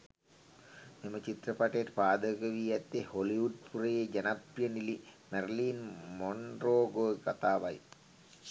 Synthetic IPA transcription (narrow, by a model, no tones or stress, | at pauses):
memɐt͡ʃit̪rɐpɐʈeɾpaːd̪əɡɐʋiːjɐt̪ːeholiʋuɖ̚purɐjed͡ʒɐnaprjɐnilimerliːnmonroːɡoːkɐt̪aːʋɐj